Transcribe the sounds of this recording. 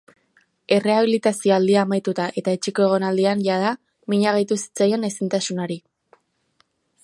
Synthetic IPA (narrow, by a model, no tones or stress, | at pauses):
e̞re̞aβ̞ilit̪asio̞ald̪iaːmajt̪ut̪aʔe̞t̪aet͡ʃeko̞e̞ɣ̞o̞nald̪ianʝað̞a | miɲaɣ̞ajt̪usi̥t͡saje̞ne̞sint̪asunoɾi